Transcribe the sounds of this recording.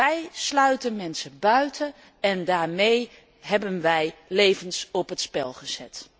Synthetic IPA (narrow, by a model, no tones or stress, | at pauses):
ɛjslœɥtənmɛnsəbœɥtʰə | ɛndaːɹmej | ɦɛbənʋɛjlejvənsɔpɦətspɛlˠχəz̥ɛ̰t